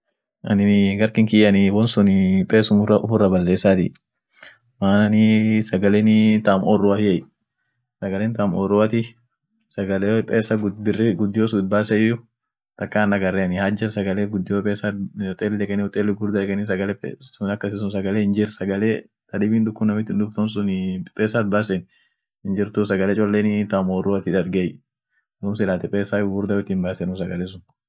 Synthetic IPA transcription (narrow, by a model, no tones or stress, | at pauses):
ʔɐnɪɡɐɾkɪŋkɪjɐnɪwɔnsʊnɪpʼeːsʊmʊrːɐʔʊfʊrːɐbɐlːeːsːaːt̪ɪ̰ | maːnɐnɪsɐɡɐleːnɪt̪aːmɔrːʊwat̪ɪɛj | sɐɡɐleːnt̪aːmɔrːʊat̪ɪ | sɐɡɐlepʼeːsːɐɡʊbɪrɛɡʊd̪ːɪjosʊɡd̪̚baːsɐɪjːʊ | t̪ɐkːaːnːɐɡɐrːenɪhad͡ʒːɐsɐɡɐleːɡʊd̪ːɪjopʼeːsat̪ʼeːlːɛkɛnɪʊt̪ʼelɪɡʊɾd̪ɐɛkɛnːɪsɐɡɐlɛpːsʊnɐkːɐsɪsʊnsɐɡɐleːhɪnd͡ʒɪɾsɐɡɐleː | t̪ɐdɪbiːnd̪ʊkːunːɐmɪt̪ːɪnd̪ʊbt̪ɔns̬ʊnpʼeːsat̪̚baːsɛn | hɪnd͡ʒɪɾt̪ʊsɐɡɐleːt͡ʃʼɔlːeːnɪt̪amɔːrɔɐt̪ɪᶑ̪ɐɾɡej | dʊmsɪlaːt̪ɛpʼeːsajɡʊɾd̪ɐwɪt̪ːɪnbaːsɛnʊsɐɡɐleːs̬ʊn